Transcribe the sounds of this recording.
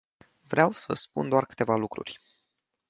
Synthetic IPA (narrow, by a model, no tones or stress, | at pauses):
vɾeawsə̰spund̪oarkɨ̥t̪e̞valukɾṵrʲ